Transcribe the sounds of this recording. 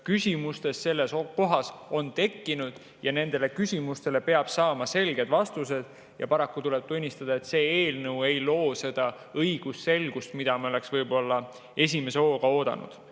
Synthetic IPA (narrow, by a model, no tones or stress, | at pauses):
kysʲimust̪e̞sse̞lːe̞sko̞ɦɑso̞nt̪e̞kːinud̪̥ | jɑne̞nd̪̥e̞le̞kysʲimust̪e̞le̞pe̞ɑb̥sɑːmɑse̞lɡ̥e̞d̪̥vɑst̪us̬e̞d̪̥ | jɑpɑɾɑkːut̪ule̞b̥̚t̪unʲːist̪ɑd̪ɑe̞t̪se̞ːeːlnɤwe̞jlo̞ːse̞d̪̥ɑ | ɤjɡ̥usse̞lɡ̥ust̪mid̪̥ɑmio̞le̞ksvɤjbo̞lːɑ | e̞s̬ʲime̞seo̞ːɡ̥ɑo̞ːd̪̥ɑ̰nṵd̪̥